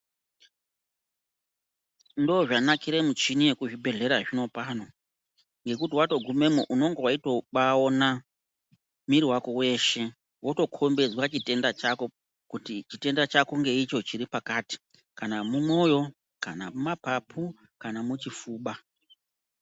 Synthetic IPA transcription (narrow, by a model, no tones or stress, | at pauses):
ndoːʐanakiɾe̞mut͡ʃinije̞kuʐibʱe̞ɮe̞ɾaʐino̞pano̞ | ŋɡe̞kutiwato̞ɡʱume̞muʔuno̞ŋɡe̞waito̞ɓao̞na | miɾiwako̞we̞ʃe̞ | wo̞to̞kʰo̞mbe̞zwat͡ʃite̞ndat͡ʃako̞ | kutit͡ʃite̞ndat͡ʃakoŋɡe̞it͡ʃo̞t͡ʃiɾipakati̥ | kanamumwo̞jo̞ | kanamumapapʰu | kanamut͡ʃifuːɓa